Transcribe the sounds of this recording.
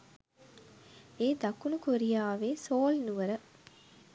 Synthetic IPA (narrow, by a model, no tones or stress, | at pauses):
eːd̪akunukoɾijaːʋeːsoːlnuʋəɾə